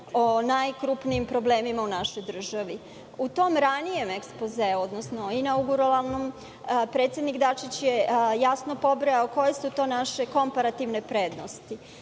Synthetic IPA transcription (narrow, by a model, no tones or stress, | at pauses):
onajkɾupniimpɾo̞ble̞ːmimaunaʃo̞jd̪r̩ʒaʋi | ut̪o̞mɾanije̞mekspozeuod̪nosnoinauɡuɾolalˠnom | pɾe̞t̪sjed̪nikd̪at͡ʃit͡ɕjejasnopo̞bɾejaoko̞je̞sut̪o̞ːnaʃe̞ko̞mpaɾat̪iʋne̞pɾe̞ːd̪nost̪i